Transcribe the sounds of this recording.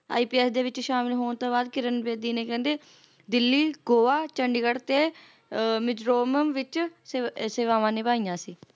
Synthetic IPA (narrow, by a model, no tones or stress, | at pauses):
a̰ːiːpiːɛːsd̪eːʋɪt͡ʃʃaːmɪlɦoːɳt̪õːbaːd̪kɪɾənʋeːd̪iːnẽːkɛ̃ːnd̪eː | d̪ɪlːiːɡoːʋaːt͡ʃəɳɖiɡəɽt̪eː | mɪd͡ʒɾoːməmʋɪt͡ʃsseːʋaːʋãːnẽːbaːiːjãːsiː